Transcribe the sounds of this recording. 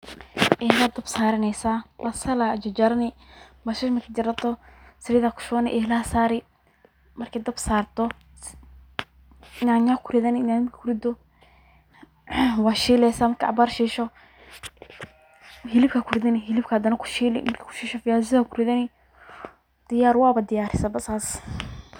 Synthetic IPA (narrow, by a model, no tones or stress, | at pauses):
ɛhlaːd̪ɐbsaːɾɪnɛjsaːwasɐlad͡ʒɐd͡ʒɐɾɐnɪwaʃiːʃmɐkʰid͡ʒɪɾɐt̪ʰɔsɪɾɪðakʰʊ̥ʃʊnɪ̰ʔɛhlaːsaːɾɪ | mɐrkʰɛd̪ɐbsaːrt̪ʰɔ | naːɲakʰʊɾɪðɐnɪnanɪmkʰkʰʊɾɪd̪ɔ | waːʃiːlɛsamɐrkʰaʔa̰baːrʃiːʃɔ | hɪlɪb̚kʰɐkʰʊɾɪðɐnɪɦɪlɪbkʰɐhɐd̪ɐnɐkʰʊ̥ʃiːlɪ̰mɐrkʰːkʰʊ̥ʃiːʃɔfɪjaːs̬ɪðakʰʊɾɪðɐnɪ | d̪̥ɪjaːɾwaːbɐd̪ɪjaːɾɪsɐbɐsaːs